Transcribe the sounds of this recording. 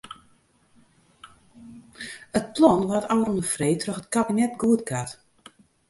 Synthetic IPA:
ət̚plɔnʋatawronəfrejtrɔxət̚kabinɛtɡuətkʰat

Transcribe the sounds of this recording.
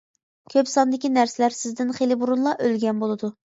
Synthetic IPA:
kʲʰøpsɑnd̪ɪkʲinæɾsɪlæɾsɪzd̪ɪnχelɪbuɾunlˠɑʔølɡʲɛnbolˠɨd̪u

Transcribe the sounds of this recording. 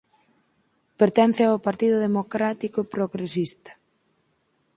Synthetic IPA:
peɾt̪ɛn̟θɪawpaɾt̪iðʊðemokɾat̪ikopɾoɣɾesist̪ɐ̥

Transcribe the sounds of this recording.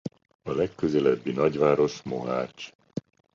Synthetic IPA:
ɒlɛkːøzɛlɛbːinɒɟʋaːɾo̞ʃmo̞ɦa̰ːt͡ʃ

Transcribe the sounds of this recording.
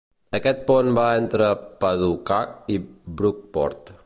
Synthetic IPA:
əkɛt̪̚ponbaɛnt̪ɾəpəðukakibɾuk̚pɔ̰ɾt̪

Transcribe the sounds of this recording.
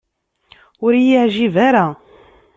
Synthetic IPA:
ʊɾjəʕʒivaɾa

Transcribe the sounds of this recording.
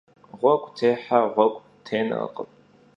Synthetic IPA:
ʁʷɔɡʷʼtʰeːħaʁʷɔkʷʼ | tʰeːnɨ̰ə̰qʼəpʼ

